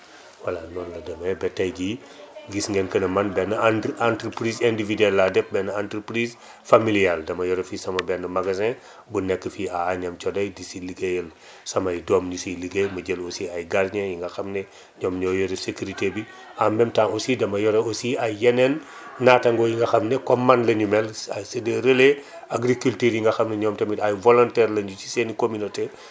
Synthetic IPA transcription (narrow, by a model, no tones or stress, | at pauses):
wɐlanɔnlɐdɐmɛbɛtɐjɟi | ɡisŋɡɛnkənɐmɐnbɛnɐnantɾəpɾizɛndividɛlːadɛfbɛnɐantɾəpɾis | familialdɐmɐjɔɾɛfisɐmɐbɛnəmaɡazɛ̃ | bunɛkːəfiaːɲɐmt͡ʃɔdɐjdisiliɡejəl | sɐmɐjdɔmɲusiliɡemɐɟelosiɐjɡarɲɛjiŋɡɐxɐmnɛ | ɲɔːmɲɔːjoɾesekuɾitebi | amɛmtanosidɐmɐjɔɾɛosiajːɛnɛnː | aːtɐŋɡɔjiŋɡɐxɐmnɛkɔmːandlɐɲumɛlasedeɾəle | aɡɾikultiːɾjiŋɡɐxɐmnɛɲɔːmtɐmitajvɔlɔntɛrlɐɲut͡ʃi̥senikominote